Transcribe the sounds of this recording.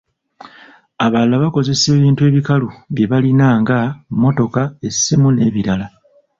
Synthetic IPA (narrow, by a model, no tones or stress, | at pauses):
aβalːaβako̞ze̞se̞ːβiːntue̞ːβikaluβje̞βalinaːŋɡamːo̞to̞kae̞sːimune̞ːβiɾala